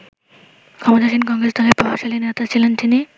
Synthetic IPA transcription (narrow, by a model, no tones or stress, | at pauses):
kʰɔmot̪aʃinkɔŋɾesd̪ʱɔlepɔɦoʃalinet̪at͡ɕʰilent̪ini